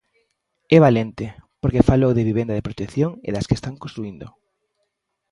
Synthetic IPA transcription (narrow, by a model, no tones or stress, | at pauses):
ɛβalent̪ɪpoɾkefalowðeβiβẽnd̪aðepɾot̪ekθjoŋḛðaskest̪aŋkõnst̪ɾuind̪o̰